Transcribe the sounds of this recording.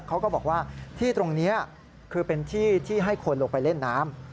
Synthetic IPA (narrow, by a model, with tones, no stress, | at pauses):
kʰa˦˥wkɔː˥˩bɔː˨˩k̚waː˥˩t̪ʰiː˥˩t̪ɾo˧ŋni˦˥ɐ | kʰɯː˧pe˧nt̪ʰiː˥˩t̪ʰiː˥˩ɦa˥˩jkʰo˧nloː˧˩pa˧jle˥˩nːaː˦˥m